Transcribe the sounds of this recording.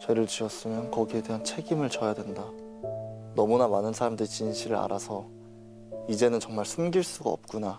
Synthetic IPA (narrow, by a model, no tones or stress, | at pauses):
t͡ɕe̞ɾɯɭt͡ɕiʌs͈ɯmjʌnkʌɡie̞dweɦant͡ɕʰe̞ɡimɯɭt͡ɕʌjadwe̞nda | nʌmunamanɯnsʰaɾamdɯɾit͡ɕinɕʰiɾɯɾa̰ɾasʰʌ | id͡ʑe̞nɯnt͡ɕʌŋmaɭsʰɯmɡiɭs͈uɡaʌ̰p̚k͈una